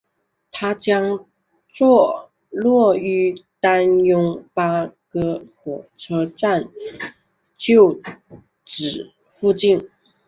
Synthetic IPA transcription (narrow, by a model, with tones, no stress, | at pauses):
t̪ʰa˥t͡ɕjɑ˥ŋ | t͡swɔ˥˧ | lwɔ˥˩y˥t̪a˥njʊ˥ŋpa˥kɤ˥xwɔ˨˩ʈ͡ʂʰɤ˥ʈ͡ʂa˥˧n | t͡ɕjo˥˩ʊ | ʈ͡ʂɻ̩˨˩ | fu˥˧t͡ɕi˥˩n